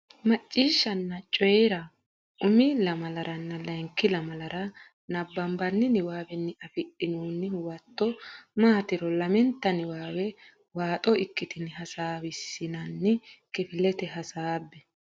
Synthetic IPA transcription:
mɐt͡ʃʼːiːʃːɐnːɐt͡ʃʼɔjɛɾɐ | ʔʊmɪlɐmɐlɐɾʔɐnːɐlɐŋkːɪlɐmɐlɐɾɐ | nɐbːɐmbɐnːɪnɪwaːwɛnːɪɐfɪɗɪnuːnːɪwɐt̪ːɔmaːt̪ɪɾɔlɐmɛnt̪ːɐnɪwaːwɛ | waːt̪ʼɔɪkːɪt̪ɪnɪɦɐsaːwɪsːɪnɐnːɪkɪfɪlɛt̪ɛɦɐsaːbːɛ

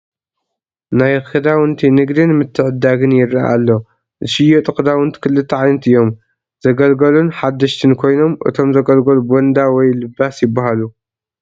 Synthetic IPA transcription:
najxɨd̪awɨnt̪ʰinɨɡd̪ɨnmɨt̪ʰːɨʕɨd̪aɡɨnjɪrːaʔa̰lːo | zɨʃɨjot̪ʼɨkʼd̪awɨnt̪ʰɨ̥kʰɨlːɨt̪ʰːɐʕajnɐt̪ɨjːo̞m | z̥ɐɡɐlɡɐlunħad̪ːɐʃt̪ʰɨnkʰo̞jno̞mʔɨ̰t̪ʰo̞mzɐɡɐlɡɐlubwɔnd̪awɔjlɨbːasjɪbːaɦalu

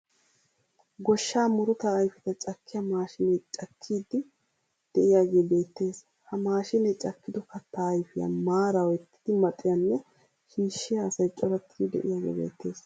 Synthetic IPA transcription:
ɡɔʃːaːmʊɾʊt̪ɐːjfɪt̪ɐt͡ʃʼɐkʰːɪjɐmaːʃɪnɛt͡ʃʼɐkʰːiːd̪ːɪ | d̪̥ɛʔɪjaːɡe̞ːbe̞ːt̪ːe̞ːs | hɐmaːʃɪnɛt͡ʃʼɐkːɪd̪ɔkɐt̪ːajfɪjɐ̰maːɾɐwɛt̪ːɪ̥d̪̥ɪmɐt̪ʼːɪjɐnːɛ | ʃiːʃːɪjɐːsɐjt͡ʃʼɔɾɐt̪ʰːɪd̪ɛ̰ʔɪ̰jaːɡḛːbḛːt̪ːe̞ːs

